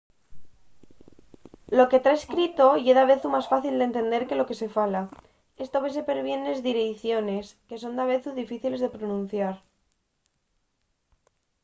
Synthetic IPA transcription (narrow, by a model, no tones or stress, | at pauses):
lo̞ke̞t̪ɾaeskɾit̪o̞jeðaβe̞θumasfaθild̪e̞nt̪e̞nd̪e̞ɾke̞lo̞ke̞se̞fala | e̞st̪oβe̞se̞pe̞ɾβje̞ne̞zðiɾeθjo̞ne̞ske̞so̞nd̪aβ̞e̞θuðifiθile̞zðe̞pɾonũn̟θjaɾ